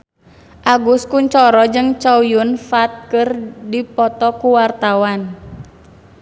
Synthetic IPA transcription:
ʔaɡuskuɲt͡ʃɔɾɔd͡ʒɨŋt͡ʃaujunfat̪̚kɨrdipɔt̪ɔkuwart̪awan

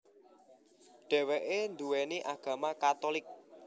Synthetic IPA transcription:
ɖ̥ɛ̤weʔend̪uweneʔaɡ̥ä̤makat̪olɪk̚

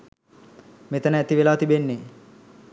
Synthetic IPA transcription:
met̪ənəæt̪iʋelaːt̪ibenːe

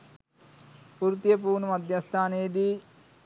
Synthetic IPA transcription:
puːɾt̪jɐp̬uːnumɐd̪ʱjɐst̪ʰaːneːd̪i

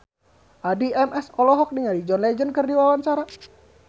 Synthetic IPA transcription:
ʔadiɛmɛsɔlɔɦɔk̚niŋalid͡ʒɔnlɛd͡ʒənkərdiwawaɲt͡ʃaɾa

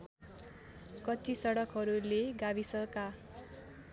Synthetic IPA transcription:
kʌt͡sisʌɽʌkɦʌɾuleɡabisʌlka

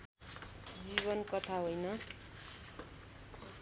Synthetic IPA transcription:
d͡ziβʌnkʌt̪ʰaɦojnʌ

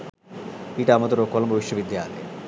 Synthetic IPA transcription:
piʈamot̪oɾokolmbobiʃːobid̪ʱːia̰t̪ḛ

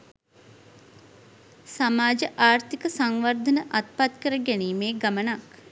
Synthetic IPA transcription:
samaːd͡ʒəʔaːrt̪ikəsaŋʋərd̪ʱənəʔat̪̚pat̪kəɾəɡɛniːmeːɡamənak

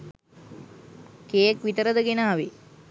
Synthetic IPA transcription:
keːəkʋit̪əɾəd̪əɡenaːʋi

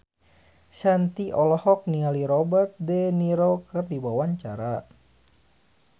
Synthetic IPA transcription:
sant̪iʔɔlɔhɔk̚nialiɾɔbərt̪̚dɛniɾokɨrdibawaɲt͡ʃaɾa

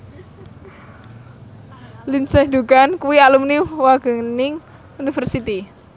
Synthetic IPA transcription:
linsɛhd̪uɡankuialumniwaɡ̥ə̤nɪŋ | unifərsit̪i

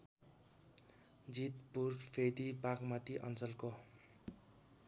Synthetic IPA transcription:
d͡zit̪purpʰed̪ibakmʌt̪iʔʌ̰nt͡sʌlko

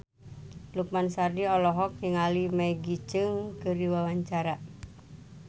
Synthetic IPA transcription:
luk̚mansardiɔlɔɦɔk̚jiŋalimaiɡit͡ʃɨŋkɨriwawaɲt͡ʃaɾa

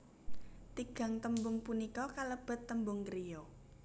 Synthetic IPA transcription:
t̪iɡ̥a̤ŋt̪əmbʊŋpunikɔkaləb̥ə̤t̪ːəmbʊŋkɾijɔ

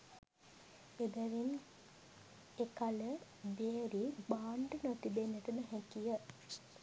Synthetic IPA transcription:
ed̪əʋin | ekalə | beːɾibaːɳɖənot̪ibenːəʈəməɦɛkijə

